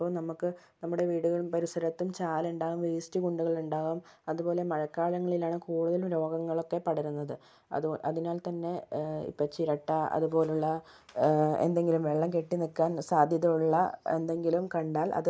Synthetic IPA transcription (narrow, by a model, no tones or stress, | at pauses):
pːoːnɐmukːɨ | nɐmːuɽe̞ʋiːɽuɣɐɭumpɐɾisɐɾɐt̪ːumt͡ɕaːluɳɖaːɣumʋiːsi̥tiɡuɳɖuɣɐɭuɳɖaːɣum | ɐðupo̞ːle̞mɐɻɐkːaːɭɐŋːɐɭilaːɳɨkuːɽuðɐlumɾo̞ːɡɐŋːɐɭo̞kːe̞pɐɽɐɾunːɐðɨ | ɐ̰ðʔɐðinaːlt̪ɐnːe̞ḭpːɐt͡ɕiɾɐʈːɐɐ̰ðupo̞ːluɭːɐ | ḛnd̪e̞ŋɡilumʋeɭːɐmkeʈːinikːaːnsaːd̪ʱjɐðɐjuɭːɐe̞̰nd̪e̞ŋɡilumkɐɳɖaːlʔɐ̰ðɨ